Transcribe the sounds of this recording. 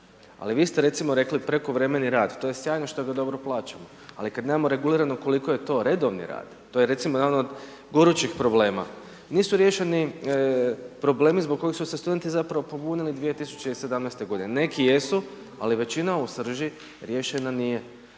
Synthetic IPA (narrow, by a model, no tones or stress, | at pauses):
a̰liʋiːst̪e̞ɾe̞t̪simoɾe̞klipɾe̞koʋɾe̞me̞niɾaːd̪t̪ojesjaːjno̞ʃt̪o̞ɡad̪o̞bɾo̞plˠaːt͡ʃamo | a̰likad̪neːmamo̞ɾe̞ɡuliɾanoko̞likoje̞t̪o̞ɾe̞d̪o̞ʋnḭɾa̰ːd̪̥t̪ːoːjeɾe̞t̪simojednod̪ | ɡoɾut͡ʃixpɾo̞ble̞ːma̰ | niːsuɾje̞ʃe̞ni | pɾo̞ble̞ːmizboɡ̚kːo̞jixsusest̪ud̪e̞nt̪izapɾaʋo̞po̞bunilid̪ʋije̞t̪isu̥t͡ʃeise̞d̪amnest̪e̞ɡo̞d̪inene̞kije̞su | a̰liʋe̞t͡ɕinausr̩ʒi | ɾje̞ʃe̞nanije̞